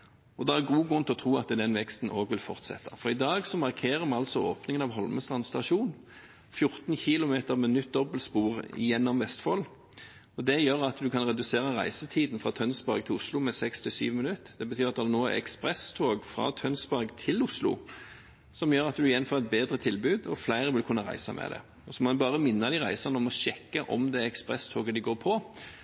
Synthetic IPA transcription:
ɔd̪ɛæʁɡuːɡʉnt̪ʰɪɔt̪ʰʁuːɑ̰t̪d̪ɛnʋɛkst̪n̩ʔoːɡʋɪlfɔʁt̪sɛ̰t̪ːɑfɔʁɪd̪ɑːɡsɔmɑʁkʰeːʁəmɑɑlsɔo̰ːpnɪŋənɑʋɦɔlməst̪ʁɑnst̪ɑʂuːn | fjʊʁt̪n̩çɪlʊmeːt̪əʁmɛnʏt̪̚d̪ɔbəlspuːʁɪ̰jɛnːɔmʋɛst̪fol | ɔd̪ɛjøːʁɑt̪d̪ʉkʰɑnʁɛd̪ʉseːʁəʁæ̰ɪsət̪ʰiːd̪nfʁɑt̪ʰœnsbɑʁɡ̚t̪ʰɪlʊslʊmɛsɛkst̪ʰɪsy̰ːʋəmɪnʉt̪ːd̪ɛbət̪ʰyːʁɑt̪d̪ɛnoːɛ̰kspʁɛst̪ʰoːɡfɾɑ̰ːt̪ʰœnsbɑɾɡt̪ʰɪlʊslʊ̰ | sɔmjøːɾɑt̪d̪ʉɪjɛnfoɛt̪̚beːd̪ɾət̪ʰɪlbʉːd̪ɔflæɪɾəʋɪlkʰʉnːəʁæ̰ɪsɑ̰mʔɛ̰d̪ɛ̰ | ɔsɔmɔbɑːʁəmɪnːəd̪ɪʁæɪsɑnəɔmɔʃɛkːəʔɔ̰md̪ɛɛkspʁɛst̪ʰoːɡəd̪ɪɡoːɾpʰɔ

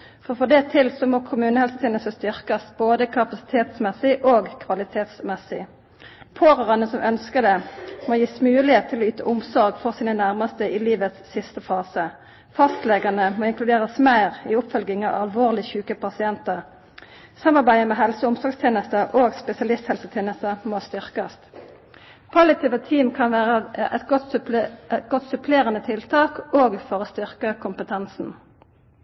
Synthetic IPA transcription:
fɔʁfɔd̪ɛt̪ʰɪlsɔmoːkʰʊmʉːnəhɛlsət̪iːnəsəst̪ʏʁkɑsboːd̪əkʰɑpɑsɪ̥t̪ʰeːt̪smɛsɪʔoːɡkʰʋɑlɪt̪ʰeːt̪smɛsɪ | pʰoːʁɑʁənəsɔmʔœnskəʁd̪ɛmoːjiːsmʉːlɪheːt̪ʰːɪlɔːyːt̪ʰəʔʊmsɔʁɡfɔʁsiːnənæʁmɑst̪əʔɪːliːʋət̪sːɪst̪əfɑːsə | fɑst̪lɛɡɑnəmoːɪŋklʉd̪eːʁəsmæɪʁiːʊpfœlɡɪŋɑ̰ʋɑlʋoːʁlɪçʉːkəpʰɑsɪɛnt̪əʁ | sɑmːɑʁbæɪəmɛːɦɛlsəʊmsɔɡst̪ʰjeːnəst̪əʔoːɡspɛsɪɑlɪst̪hɛlsət̪ʰjeːnəst̪əmoːst̪ʏʁkɑst̪ | pʰɑlɪt̪ʰiːʋət̪ʰiːmkʰɑnʋæːʁəʔɛ̰t̪ɡɔt̪sp̪ɡɔt̪sʉpʰleːʁənət̪ʰɪlt̪ʰɑːkoːɡfɔʁoːst̪ʏʁkəkʰʊmpət̪ʰɛnsn̩

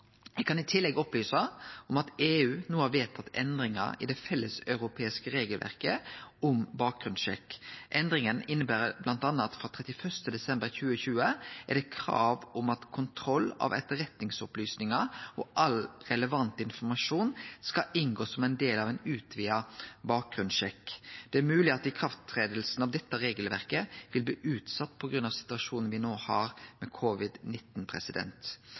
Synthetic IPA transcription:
jɛkʰɑnɪt̪ʰɪlːɛɡɔplyːsɑɔmɑt̪eːʉːnuːəhɑʋeːt̪ʰːɑt̪ʰːɛ̰nd̪ɾɪŋɑ̰ɪ̰d̪ɛfɛlːəsœʉɾʊpʰeːɪskəɾeːɡəlʋʔæ̰ʁkəʊmbɑːk̚ɡ̥ɾʉnʃɛ̰kːʔɛnd̪ɾɪŋənɪnːəbæːɾəblɑnt̪ɑnːɑt̪fɾɑːt̪ʰʁɛt̪ɪfœst̪əd̪ɛsɛmbəɾçʉːəçʉːəɛ̰ɖ̪ɛkʰɾɑ̰ːʋʊmɑt̪kʰʊnt̪ʰɾɔlɑ̰ʋɛ̰t̪ːəɾɛt̪nɪŋsɔplyːsnɪŋɑɔʔɑlɾɛləʋɑnt̪ɪnfɔɾmɑʂuːnskɑɪnɡoːsɔmɛɪnd̪eːlɑʋæɪnʉːt̪ʰʋiːɑbɑːk̚ɡɾʉnʃɛkːd̪̥ɛæɾmʉːlɪɑt̪ɪkʰɾɑft̪ʰɾeːd̪əlsn̩ɑʋd̪ɛt̪ːəɾeːɡəlʋæʁkəʋɪlbliːʔʉːt̪sɑt̪ːpʰɔɡɾʉnɑʋsɪ̥t̪ʉɑʃuːnən̩ʋɪnoːhɑɾmɛkʰɔʋɪd̪nɪt̪ːnpʰʁɛ̰sɪd̪ɛ̰nt̪

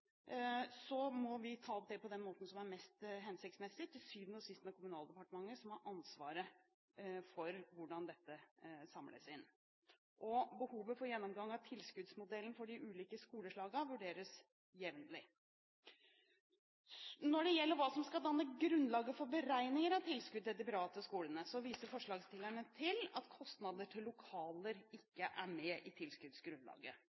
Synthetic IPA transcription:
sɔmɔʋɪt̪ʰɑːɔp̚d̪ɛpʰɔd̪ɛnmoːt̪n̩sɔmæɾmɛst̪ɦɛnsɪk̚t̪smɛsːɪt̪ʰɪlsyːʋnəɔsɪst̪ənəkʰʊmʉnɑːld̪əɛpɑʈəmɑŋːəsɔmhɑɾʔɑnsʋɑ̰ːɾə | fɔɾʋʊɖɑnd̪ɛt̪ːəsɑmlʔə̰sɪnː | ʔɔbəhuːʋəfɔɾjɛnːɔmɡɑŋːɑʋt̪ʰɪlskʉd̪smʊd̪ɛlːən̩fɔɖɪʔʉːliːkəskuːləʂɭɑːɡəʋʉɖeːɾəs | jɛʋnlɪ | nɔɖɛjɛlːəɾʋɑːsɔmskɑld̪ɑnːəɡɾʉndlɑːɡəfɔɾbəɾæɪnɪŋəɾɑʋt̪ʰɪlskʉd̪ɛd̪ɪpɾɑːt̪əskuːlənəsɔʋiːsəɾfɔʂɭɑːɡst̪ʰɪlæɳət̪ʰɪlɑ̰t̪kʰɔst̪nɑd̪əʈʰɪlːʊkʰɑːləɾɪkːəʔæɾmɛʔɪt̪ʰɪlskʉd̪sɡɾʉnlɑ̰ːɡə

